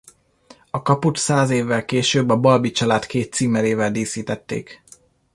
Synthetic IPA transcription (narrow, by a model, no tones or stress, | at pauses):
ɒkɒput̪saːzeːvːɛlkeːʃøːbːɒbɒlbit͡ʃɒlaːt̪keːt̪siːmɛɾeːvɛld̪iːsiːt̪ɛt̪ːḛːk